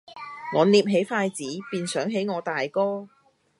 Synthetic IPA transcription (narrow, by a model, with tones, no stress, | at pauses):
ŋɔː˨˧niː˧p̚ɦe˨˥jfaː˧jt͡siː˨˥piː˨˧nsœː˨˥ŋɦe˨˥jŋɔː˨˧t̪aː˨jkɔː˥